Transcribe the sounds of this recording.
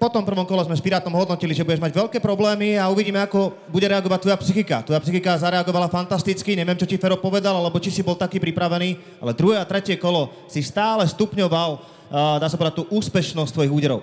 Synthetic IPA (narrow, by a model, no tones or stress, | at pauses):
pɔt̪ɔmpr̩ʋɔmkɔlɛzmɛspiɾaːt̪ɔmɦɔd̪nɔciliʒɛbuɟɛʒmaɟʋɛʎkɛːpɾɔblɛːmiauʋiɟiːmɛakɔ | buɟɛɾɛaɡɔʋac̚t̪ʋɔjapsixikat̪ʋɔjapsixikazaɾɛaɡɔʋalafant̪ast̪it͡skiɲɛʋɪɛmt͡ʃɔcifɛɾɔpɔʋɛd̪alalɛbɔt͡ʃisibɔlt̪akiːpɾipɾaʋɛniː | a̰lɛd̪ɾuɦɛːat̪ɾɛcɪɛkɔlɔ | sist̪aːlɛst̪upɲɔʋal | d̪aːsapɔʋɛd̪at̪̚uːʔuːspɛʃnɔst̪ʋɔjiɣuːɟɛɾɔʊ